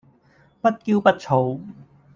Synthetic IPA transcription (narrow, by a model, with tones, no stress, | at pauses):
pɐ˥t̚kiː˥wpɐ˥t̚t͡sʰo˨˧w